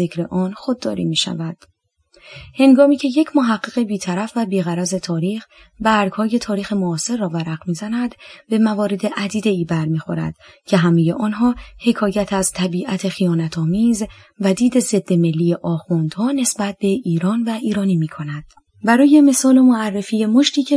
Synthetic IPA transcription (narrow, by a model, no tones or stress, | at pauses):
zekɾe̞ʔɒːnxod̪ːɒ̰ːɾḭmiːʃæ̰væd̪̥ | he̞ŋɡɒːmiːcʰe̞jecʰmoɦæɢːeɣe̞biːt̪ʰæɾæfvæbiːɣæɾæze̞t̪ʰɒːɾiːx | bæɾɡ̥hɒːje̞t̪ʰɒːɾiːxe̞moɒːse̞ɾːɒːvæɾæɣmiːzænæd̪be̞mævɒːɾe̞d̪e̞ʔæd̪iːd̪e̞iːbæɾmiːxo̞ɾæ̰d̪̥ | cʰe̞ɦæmeje̞ʔɒːnɦɒːhe̞kʰɒːjæt̪ʰæzt̪ʰæbiːʔæt̪ʰe̞xijɒːnæt̪ʰɒːmiːz | væd̪iːd̪e̞ze̞d̪ːeme̞lːijeʔɒːxund̪̥hɒːne̞sbæt̪̚be̞iːɾɒːnvæʔiːɾɒːnimiːkʰo̞næd̪̥ | bæɾɒːje̞me̞sɒːlo̞moærːe̞fiːjemoʃt̪iːcʰe